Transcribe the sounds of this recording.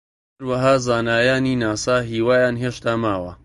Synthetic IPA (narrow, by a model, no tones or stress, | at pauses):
hɐɾwɐɦaːzaːnaːjaːniːnaːsaːɦiːwaːjaːnɦeːʃt̪aːmaːwɐ̰